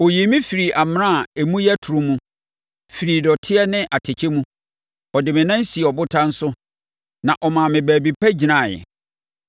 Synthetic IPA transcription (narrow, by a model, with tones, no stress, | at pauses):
o˨ji˨mĩ˦fi˨ɾi˨ʔa˨m˦nã˦˨e˨mũ˦jɛ˦tʰʊ˨ɾʊ̃˦mũ˦ | fi˨ɾi˨dɔ˨tʰɪ˦ɛ˦nɪ̃˦ʔa˨tʰɪ˨t͡ɕʰe˦mũ˦ | ɔ˨dɪ˨mɪ̃˨nã˦n̩˦si˨ɛ˨ɔ˨bʊ˦tʰã˦n̩˦sʊ˦ | nã˨ʔɔ˨mã˨mɪ̃˨bæː˨bi˨pʰæ˦d͡ʑi˨nã˦˨jɛ̰˨